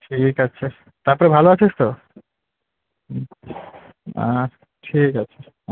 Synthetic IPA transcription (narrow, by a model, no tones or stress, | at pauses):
ʈʰikatːɕʰe | t̪aɾpɔɾebʱaloat͡ɕʰeʃt̪o | ã̰ | ʈʰikat͡ɕʰe